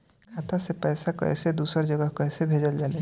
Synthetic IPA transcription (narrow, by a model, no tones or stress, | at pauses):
kʰat̪ʰasepɛjsakə̰jsed̪usəɾd͡ʒəɡəɦkəjsebʱed͡ʒəld͡ʒaːle